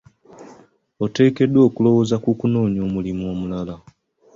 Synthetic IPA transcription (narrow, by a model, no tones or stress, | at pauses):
ote̞ːke̞dːwo̞ːkulo̞wo̞zakukuno̞ːɲo̞ːmulimuo̞ːmulala